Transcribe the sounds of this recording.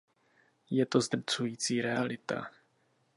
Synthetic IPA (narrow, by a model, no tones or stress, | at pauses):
jɛt̪o̞zd̪r̩t͡sujiːt͡siːɾɛalɪt̪a̰